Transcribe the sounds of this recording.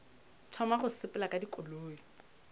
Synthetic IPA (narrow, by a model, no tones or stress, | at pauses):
tʰɔmaχʊsɪpʼʊlakʼadikʼʊloːi